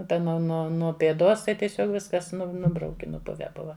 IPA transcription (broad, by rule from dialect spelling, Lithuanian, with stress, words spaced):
ˈtɐ nʊ ˈnuɔ nuɔ pʲeːˈdoːs tɐɪ tʲiɛˈsʲoːk ˈʋʲɪskɐs ˈnʊ ˈnʊbrɐʊkʲɪ nʊˈpʊʋʲɛ ˈbʊʋɐ